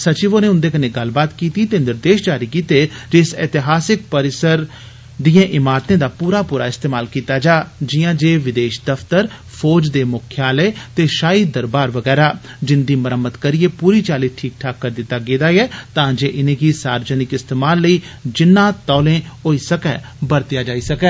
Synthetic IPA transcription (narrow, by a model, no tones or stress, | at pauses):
sət͡ʃiːʋõːneːʊ̃nd̪eːkəneːɡəlbaːt̪kiːt̪iːt̪eːnɪɾd̪eːʃd͡ʒaːɾiːkiːt̪eːd͡ʒɪsɪ̰t̪ɪɦaːsɪk̚pəɾɪsəɾ | d̪ijãːʔɪmaːɾt̪ẽːd̪aːpuːɾaːpuːɾaːɪst̪eːmaːlkiːt̪aːd͡ʒaːd͡ʒɪjãːd͡ʒeːʋɪd̪eːʃd̪əft̪əɾ | pʰoːd͡ʒd̪eːmʊkʰjaːlɛːt̪eːʃaːiːd̪əɾbaːɾʋəɡɛːɾaː | d͡ʒɪnd̪iːməɾəmːəd̪kəɾieːpuːɾiːt͡ʃaːliːʈʰiːk̚ʈʰaːkːəɾd̪ɪt̪ːaːɡeːd̪aːɛːt̪ãːd͡ʒeːʔɪnẽːkisaːɾd͡ʒənɪkɪst̪eːmaːlːəiːd͡ʒɪnːãːt̪ɔːlẽːoːiːsəkɛː | bəɾt̪ɪjaːd͡ʒaːiːsəkɛː